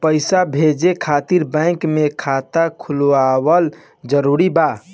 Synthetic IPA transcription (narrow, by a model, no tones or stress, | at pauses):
pəɪsabʱed͡ʒekʰat̪iɾbɛ̃kmekʰat̪akʰulawəl | d͡ʒəɾuɾiba